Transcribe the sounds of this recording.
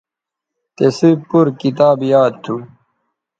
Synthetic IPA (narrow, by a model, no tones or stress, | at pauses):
t̪esipuɾkit̪aːbjaːd̪̚t̪ʰu